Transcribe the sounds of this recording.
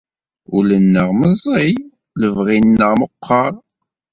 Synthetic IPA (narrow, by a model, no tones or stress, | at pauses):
ulənːəʁməzˤi | ləvʁinːəʁməqʰːɑɾˤ